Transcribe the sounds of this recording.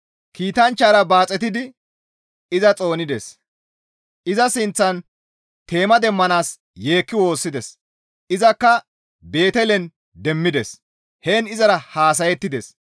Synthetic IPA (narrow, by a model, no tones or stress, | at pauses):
kiːt̪ɐnt͡ʃːaːɾɐbaːt͡sʼɛt̪ɪd̪ɪ | ɪzɐt͡sʼo̞ːnɪd̪es | ʔɪzɐsɪnt͡sːɐn | t̪e̞ːmɐd̪ɛmːɐnaːs | je̞ːkːɪwo̞ːsːɪd̪ɛs | ʔɪzɐkːɐ | be̞ːt̪ɛlɛn | d̪ɛmːɪd̪ɛs | heːnɪzɐɾɐhaːs̬ɐjɛt̪ːɪd̪es